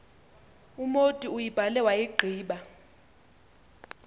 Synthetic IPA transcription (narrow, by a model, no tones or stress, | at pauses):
umotʼiujib̥ʱalɛwajiɡ͡ǃʱiːɓa